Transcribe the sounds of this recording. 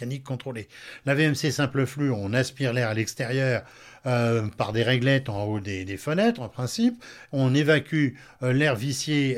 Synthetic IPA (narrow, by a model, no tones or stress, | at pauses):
anikːɔ̃t̪χolelaveɛmsesɛ̃pləflyɔ̃naspiʁlɛʁalɛkst̪eʁjœːʁ | øpaʁd̪eʁɛɡlɛt̪ɑ̃od̪ed̪efənɛt̪χɑ̃pχɛ̃sipɔ̃nevakʲy | lɛʁvisje